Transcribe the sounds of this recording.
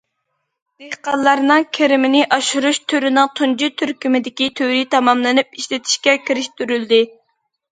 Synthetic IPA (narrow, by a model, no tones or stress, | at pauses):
d̪̥eqɑllˠːɑɾnɨŋkʲʰeɾɪmɪnɪʔɑʃuɾuʃt̪ʰøɾynɨŋt̪ʰund͡ʒit̪ʰyɾkʲymɪd̪ɪkʲit̪ʰøɾit̪ʰɑmɑmlˠɨnɨpiʃlɪt̪ʰi̥ʃkʲɛkʲiɾɪʃt̪yɾyld̪ɪ